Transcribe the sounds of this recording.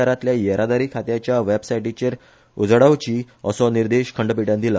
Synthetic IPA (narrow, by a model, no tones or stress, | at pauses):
aɾat̪ljajəɾʔad̪aɾiːkʰat̪jat͡ɕjaʋebsajʈit͡ɕeɾ | ud͡zɽaʋt͡ɕiː | əsɔniɾd̪eɕkʰəɳɖəpiʈjãnd̪ila